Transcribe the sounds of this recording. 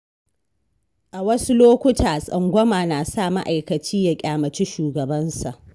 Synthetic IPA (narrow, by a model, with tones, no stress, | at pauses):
ʔa˨wɐ˦su˦loː˦kʷʊ˦tʰaː˨sʼɐ˨ŋɡʷɔ˦maː˨naː˨saː˦˨ma̰˦ʔa˨jkɐ˨t͡ʃiː˦ja˨kʲʼaː˨mɐ˨t͡ʃi˦ʃuː˨ɡɐ˨bɐ˦nsa˨ʔ